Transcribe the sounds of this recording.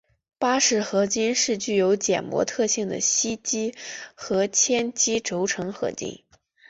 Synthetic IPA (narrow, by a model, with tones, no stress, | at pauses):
pa˥ʂɻ̩˥˩xɤ˧˥t͡ɕi˥nʂɻ̩˥˧t͡ɕy˥˩jo˧˥ʊt͡ɕjɛ̰˨˩nmwɔ̰˧˥t̪ʰɤ˥˧ɕi˥˩ŋd̪ə̰˩ɕi˥t͡ɕi˥xɤ˧˥t͡ɕʰjɛ˥nt͡ɕi˥ʈ͡ʂo˧˥ʊʈ͡ʂʰɤ˧˥ŋxɤ̰˧˩t̪ḭ˥˩ŋ